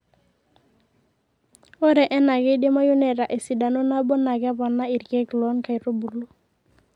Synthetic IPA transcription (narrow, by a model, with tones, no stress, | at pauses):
o˦ɾɛ˨ʔɛ˦na˨ɡe˦de˦ma˦ju˦ne˨ɾa˨ʔe˨si˨da˨no˦na˦bɔ˦na˨ɡɛ˦bɔ˨nːa˦i˨ɾke˦klɔ˦nka˨i˨ɾo˦bu˨lu˦